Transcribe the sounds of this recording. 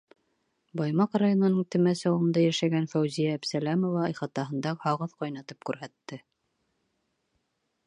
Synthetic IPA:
bɑjmɑqrajonɤ̆nɤɴt̪ɘ̆mæsɑwɤ̆nd̪ɑjæʃæɡænfæwzijæːpsælæmŏvɑɑjχɑt̪ɑɦɤ̆nd̪ɑhɑʁɤðqɑjnɑt̪ɤ̥p̚kʉɾɦæt̪ːɘ

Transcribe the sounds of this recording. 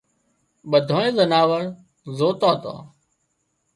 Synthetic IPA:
ɓəd̪ʱoːẽːzənaːʋəɾ | zoːt̪aːt̪ã̰ː

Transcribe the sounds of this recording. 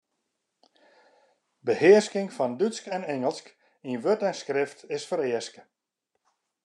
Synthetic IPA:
bəhɪəskɪŋfɔndyskɛnɛŋəlˠsk | inʋøtɛnskrɪftɪsfəɾɪəskə

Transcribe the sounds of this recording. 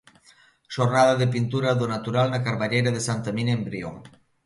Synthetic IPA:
ʃoɾnaðaðep̬int̪uɾaðonat̪uɾalnakaɾβaʎejɾaðesant̪aminaembɾio̰ŋ

